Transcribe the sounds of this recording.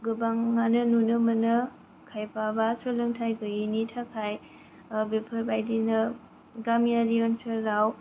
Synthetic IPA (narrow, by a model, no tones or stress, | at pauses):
ɡɯbaŋːanɯnunɯmɯnɯ | kʰajpʰabasolɯŋtʰajɡɯinitʰakʰaj | bepʰɐɾbajdinɐ | ɡamijaɾiɔnsəːaw